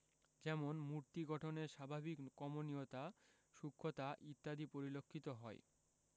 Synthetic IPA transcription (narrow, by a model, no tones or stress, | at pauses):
d͡ʑɛmonmuɾt̪iɡɔʈʰoneɾʃabʱabikːɔmoniot̪a | ʃukʰːot̪aʔit̪ːad̪ipoɾilokʰːit̪oɦɔe